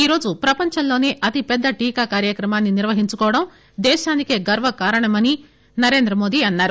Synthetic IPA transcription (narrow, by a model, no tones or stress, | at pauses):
iːɾo̞ːd͡ʒupɾɐpɐɲt͡ʃɐmlo̞ːneːʔɐt̪ipɛd̪ːɐʈiːkaːkaːɾjɐkɾɐmaːnːiniɾʋɐɦiɲt͡ʃukɔːʋɐɽɐm | d̪ɛːʃaːnikeːɡɐɾʋɐkaːɾɐɳɐmɐni | nɐɾe̞ːnd̪ɾɐmo̞ːd̪iɐnːaːɾu